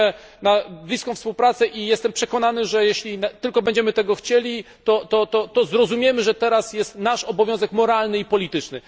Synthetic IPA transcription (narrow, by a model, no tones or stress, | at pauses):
ɛnablʲiskɔ̃w̃fspuwpɾat̪sɛʔijɛst̪ɛmpʂɛkɔnanɘʐɛjɛɕlʲinat̪ɘlkɔbɛɲd͡ʑɛmɘt̪ɛɡɔxt͡ɕelʲi | t̪ɔt̪ɔt̪ɔt̪ɔzɾɔzumʲjɛmɘʐɛt̪ɛɾasjɛst̪naʂɔbɔvjɔ̃w̃zɛkmɔɾalnɘipɔlʲit̪ɘt͡ʂnɘ